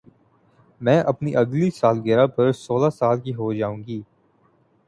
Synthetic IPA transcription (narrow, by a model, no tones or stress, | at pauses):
mɛ̃ːʔɐpniʔɐɡlisaːlɡɛɾapɐɾsoːlasaːlkiɦod͡ʒaːũːɡiː